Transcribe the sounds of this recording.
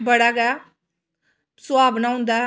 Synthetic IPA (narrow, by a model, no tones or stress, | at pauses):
bəɽaːɡɛ | sʊaːbnãːɦʊ̃nd̪aː